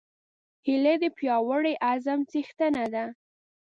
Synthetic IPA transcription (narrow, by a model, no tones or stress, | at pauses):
hiled̪əpjɑwəɽeʔazamt͡sixt̪ənad̪a